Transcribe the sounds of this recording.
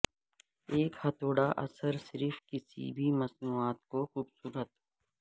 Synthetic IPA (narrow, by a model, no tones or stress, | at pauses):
eːkhɐt̪oːɽaʔɐ̰səɾsɪɾfkɪsḭbʱiməsnuːaːt̪koxuːbsuːɾət̪